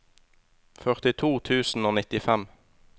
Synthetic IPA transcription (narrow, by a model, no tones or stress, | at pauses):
fœʁt̪ɪt̪ʰuːt̪ʰʉːsn̩oːnɪt̪ɪfɛm